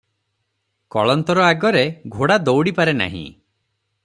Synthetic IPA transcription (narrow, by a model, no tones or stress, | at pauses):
kɔɭɔnt̪ɔɾɔaɡɔɾeɡʱoɽad̪owɽipaɾena̰ɦḭ̃